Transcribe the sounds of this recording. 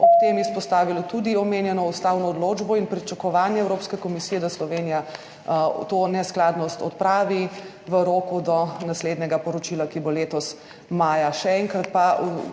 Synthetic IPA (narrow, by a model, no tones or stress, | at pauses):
ɔp̚t̪emɛspɔst̪aːʋilɔt̪ud̪iɔmeːnjɛnɔust̪awnɔːd̪loːd͡ʒbɔinpɾit͡ʃakɔʋaːnjɛɛwɾoːpskɛkɔmisiːjɛd̪aslɔʋeːnija | t̪onɛsklad̪nɔst̪ɔt̪pɾaːʋi | ʋəɾoːkud̪ɔnasleːd̪nɛɡapɔɾɔt͡ʃilakiboleːt̪ɔs | maːjaʃɛɛŋkɾat̪̚pa